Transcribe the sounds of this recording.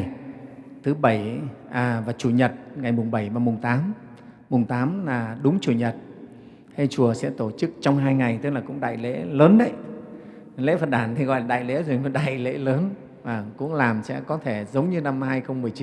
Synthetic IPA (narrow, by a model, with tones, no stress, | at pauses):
t̪ʰɨ˨˦ɓə˧˩jʔaː˨˩vaː˨˩t͡ɕu˧˩ɲə˨˩t̚ŋa˨˩jmʊ˨˩ŋ͡mɓə˧˩jvaː˨˩mʊ˨˩ŋ͡mt̪aː˨˦mː | ʊ˨˩ŋ͡mt̪aː˨˦mlaː˨˩ɗʊ˨˦ŋ͡mt͡ɕu˧˩ɲə˨˩t̚ | he˧jt͡ɕu˨˩əsɛ̰˧˥t̪o˧˩t͡ɕɨ˦˥k̚t͡ɕɔ˧wŋ͡mɦaː˧jŋa˨˩jt̪ɨ˦˥k̚laː˨˩kʊ̰˧˥ŋ͡mɗa̰ː˧˨jlḛ˧˥ləː˨˦nɗə̰˧˦j | lḛ˧˥fə˨˩t̚ɗaː˧˩nt̪ʰi˨˩ɣɔ̰˧˨jlaː˨˩ɗa̰ː˧˨jlḛ˧˥zo˨˩jm˨˦ɗa̰ː˧˨jlḛ˧˥ləː˨˦n | vaː˨˩kʊ̰˧˥ŋ͡mlaː˨˩msɛ̰˧˥kɔ˨˦t̪ʰe˧˩zə˨˦wŋ͡mɲɨ˧na˧mhaː˧jxə˧wŋ͡mmɨ˨˩əjt͡ɕi˨˦